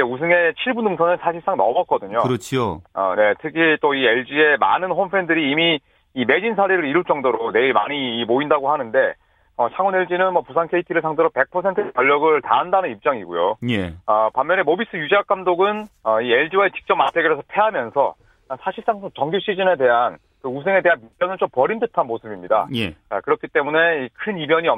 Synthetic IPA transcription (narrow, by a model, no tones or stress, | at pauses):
id͡ʑeus̬ʰɯŋe̞t͡ɕʰiɭbunɯŋsʰʌnɯnsʰaɕʰiɭs͈aŋnʌmʌt̚k͈ʌdɯɲoɯɾʌt͡ɕʰoʌ̰ne̞tʰɯkʰit͈oie̞ɭd͡ʑie̞ma̰nɯnɸonpʰendɯɾiːmiː | me̞d͡ʑinsʰaɾeɾɯɾiɾɯɭt͡ɕ͈ʌŋdoɾone̞iɭma̰ɲiːmoindaɡohanɯnde̞ | ʌt͡ɕʰaŋune̞ɭd͡ʑinɯnmwʌpusʰaŋkʰe̞itʰiɾɯɭsʰaŋdeɾope̞k̚pʰʌsʰe̞ntʰɯepjʌʎːʌɡɯɭtaɦandanɯnip̚t͡ɕ͈aŋiɡojo̰jeʌpamjʌne̞mobis͈ɯjud͡ʑeak͈amdoɡɯnʌie̞ɭd͡ʑiwaet͡ɕi̥k̚t͡ɕ͈ʌmatʰeɡeɾesʰʌpʰe̞ɦamjʌnsʰʌ̰ | sʰaɕʰiɭs͈aŋsʰot͡ɕʌŋɡjoɕ͈ʰid͡ʑine̞de̞ɦan | kɯusʰe̞ŋe̞de̞ɦanip͈jʌnɯnt͡ɕomp͈ʌɾindɯtʰanmosʰɯbimɲida̰jet͡ɕa̰kɯɾʌkʰit͈e̞mune̞ikʰɯnimjʌɲiʌ